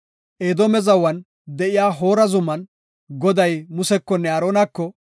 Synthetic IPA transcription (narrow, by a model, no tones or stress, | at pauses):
ʔeːd̪omɛzɐwɐn | d̪ɛʔɪjaːɦo̞ːɾɐzʊmːɐn | ɡɔd̪ɐjmʊsɛkːɔnːɛɐːɾoːnɐkːɔ